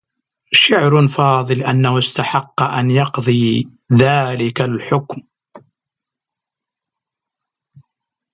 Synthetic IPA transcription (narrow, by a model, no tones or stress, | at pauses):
ʃʊʕɾfɑːðˤɨlʔanːahʊst̪aħɑqːɑʔanjɑqðˤiː | ðaːlɪkalħʊkm